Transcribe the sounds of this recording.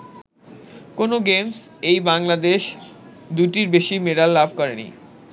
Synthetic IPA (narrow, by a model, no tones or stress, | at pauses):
konoɡemsejbaŋlad̪eʃd̪uʈiɾbeʃimeɖalːabʱkɔɾenḭ